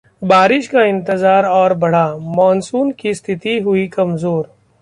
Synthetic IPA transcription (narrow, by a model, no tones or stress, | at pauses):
baːɾɪʃkaɪ̃nt̪ɪzaːɾɔːɾbɐɽ̤amɔːnsuːnkist̪ʰɪt̪iɦʊikɐmzoːɾ